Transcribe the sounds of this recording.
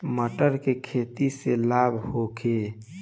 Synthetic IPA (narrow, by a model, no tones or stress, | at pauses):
məʈəɾkekʰeːt̪iselabʱhokʰe